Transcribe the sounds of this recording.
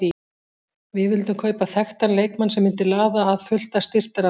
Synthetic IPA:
i | vɪðvɪlt̪ʏmkʰœːɥpaθɛxt̪anleːjkmansɛmːɪnt̪ɪlaːðaːðfʏl̥t̪ast̪ɪr̥t̪aɾa

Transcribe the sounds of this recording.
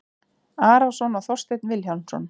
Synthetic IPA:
aːɾawsɔnaθɔrst̪ejt̪nvɪlçaw̪nsɔ̰n

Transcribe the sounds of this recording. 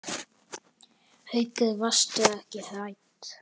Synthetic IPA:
hejt̪ɪðvast̪ɪðɛhcɪhajt̪

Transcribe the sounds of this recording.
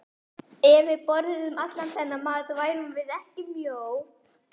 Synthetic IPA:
ɛvɪðpɔɾðɪðʏmat̪lanθʰɛnːamaːðt̪vaːjɾʏmvɪðɛhcɪmjow

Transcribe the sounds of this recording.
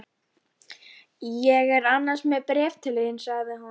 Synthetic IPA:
jɛɣɛɾanːansmɛðpɾɛːvt̪ʰɪlɪjɪnsaɣðɪɦa

